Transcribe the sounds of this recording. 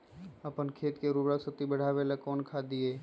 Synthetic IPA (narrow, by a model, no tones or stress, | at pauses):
əpənkʰeːt̪keɾubɾəksət̪ibəɽ̤aːʋelakɔːnkʰaːd̪ieː